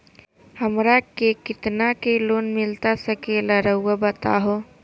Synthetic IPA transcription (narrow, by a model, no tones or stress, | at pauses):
həmɾakekɪt̪nakelonmɪlt̪asəkeləɾəʊabət̪a̰ɦo